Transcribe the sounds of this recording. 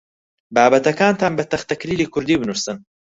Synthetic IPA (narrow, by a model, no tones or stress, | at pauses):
baːbɐt̪ɐkaːnt̪ʰaːnbɐt̪ɐχt̪ɐkɾiːliːkʰʊɾd̪iːbɨnusɨn